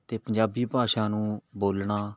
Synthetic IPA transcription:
t̪eːpəɲd͡ʒaːbiːpaːʃãːnũːboːlɳaː

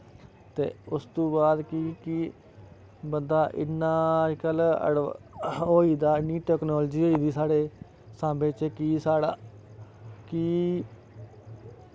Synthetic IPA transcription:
t̪ḛːʊst̪õːbaːd̪kikiː | bənd̪aːʔɪ̰nːãːd͡ʒkələ̰ɽ | ɦoːiːd̪aːɪnːiːʈɛːknɔːld͡ʒiːɦoːiːd̪iːsaːɽeː | sãːmbẽːt͡ʃkiːsaːɽaː | kiː

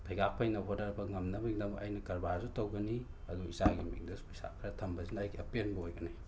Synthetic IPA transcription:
tʰɐjɡak̚pʰɐjnɐɦodɐɾbɐŋɐmnɐbɐɡidɐŋʔɐjnɐkɐɾbazutɐwɡɐni | ɐduisaɡimḭŋdɐsuisa̰kʰɾɐtʰɐmbɐzinɐːjɡiɐpienbɐojɡɐna

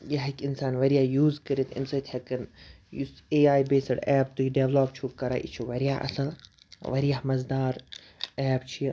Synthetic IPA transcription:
jɐɦɐkʲinsaːnʋɐɾijaːjuːzkəɾit̪ʰḭnsɐt̪ʰɐkɐn | juseːaːjbeːsɐɖɛːb̚t̪ujiɖeʋloːp̚t͡ʃʰukɐɾa̰ːʔḭt͡ʃʰuʋɐɾijaʔɐ̰sɐl | ʋɐɾijaɦmɐzd̪aːɾ | ɛːbt͡ʃʰij

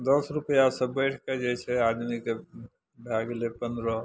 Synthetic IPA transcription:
d̪əsɾupjasəbəʈʰked͡ʒɛt͡ʃʰɛad̪mike | bʱaɡelepənd̪ɾə

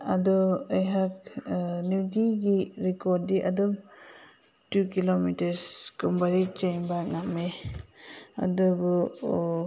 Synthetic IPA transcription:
adɔejɦaknidiɡiɾikɔdiʔadɔm | tukilomitaɾskumbaɾit͡ʃejnbak̚name | a̰dɔbu

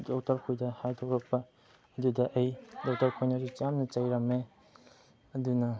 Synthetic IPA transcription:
dok̚taɾkʰojdɐhajtʰokɾɐk̚pɐ | ɐdudɐʔɐjdɔk̚taɾkʰojnaɾit͡ʃamnɐt͡ʃɐjɾɐme | ɐdunɐ

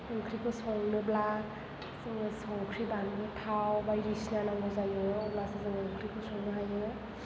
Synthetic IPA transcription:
ɔŋkʰɾikʰɔsɔŋnɯbla | siŋsɔŋkʰɾibanɡɯtʰawbajɾisnanaŋɡɔzajɯɔblasazɔŋɔŋkʰɾikʰɔsɔŋnɯɦajɯ

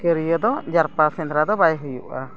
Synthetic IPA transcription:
kəɾijəd̪ɔd͡ʒaɾpasɛ̃nt̪ɾad̪ɔbajɦujṵʔa

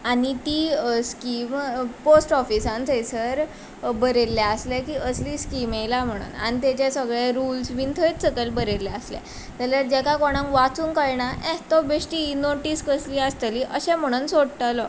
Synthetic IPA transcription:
anit̪iːskimposʈɔfisãnt͡səjsəɾ | bəɾeljaəslɛkiːʔəsliːskimelam̤əɽ̃ṵːna̰nit̪ɛt͡ɕasəɡɭeɾulsʋint̪ʰəjt̪səkəlbəɾelːjaəslɛ̰ | t̪əljaɾd͡ʑɛkakɔɽ̃ãŋkʋat͡suːnkəɭɳaʔɛ̃t̪ɔbeʂʈiinoʈiːskəsliːəst̪əliʔəɕɛ̃m̤əɽ̃uːnsoɽt̪alɔ

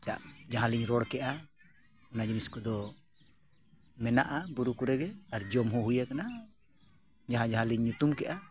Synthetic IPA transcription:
t͡ʃa̰ʔd͡ʒaɦãliɲɾɔɽkɛʔa | ɔnad͡ʒiniskɔd̪ɔ | mɛnaʔabuɾukuɾɛɡɛaɾd͡ʒɔmɦɔɦujakana | d͡ʒaɦãd͡ʒaɦãliɲːut̪umkɛʔa

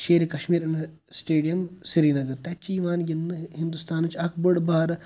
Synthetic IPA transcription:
ʃeːɾikɐʃmiːɾɐn | sʈeːɖijɐmsiɾiːnɐɡɐɾt̪at͡ʃiːʋaːnjinːɨɦind̪ust̪aːnt͡ʃɐkʰbəɽbaːɾ

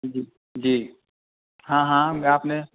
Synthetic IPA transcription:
d͡ʒi | d͡ʒiː | ɦãɦãmaːpne

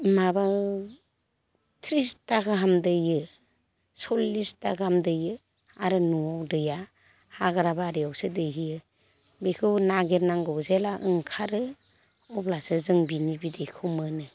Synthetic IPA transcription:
maba | tʰɾistaɡɯɦamdɯjɯ | sɔlːistaɡamdɯjɯ | aɾɯnuawdɯja | haɡaɾabaɾiawsɯdɯɦijɯ | bekʰɯwnaɡeɾnaŋɡɔwzelaʔɯŋkʰaɾɯ | ɔplasɯzɯŋbinibidejkʰɯwmɯnɯ

